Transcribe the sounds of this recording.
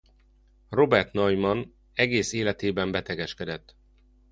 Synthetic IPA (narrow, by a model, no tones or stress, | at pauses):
ro̞bɛrt̪nɒjmɒn | ɛɡeːseːlɛt̪eːbɛmbɛt̪ɛɡɛʃkɛd̪ɛt̪ː